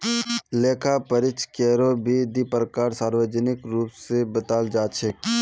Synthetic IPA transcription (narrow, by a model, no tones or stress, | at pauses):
leːkʰapəɾɪt͡ʃkeːɾobʱid̪ipɾəkaːɾsaːɾʋəd͡ʒənɪkɾuːpsebət̪aːld͡ʒaːt͡ʃʰek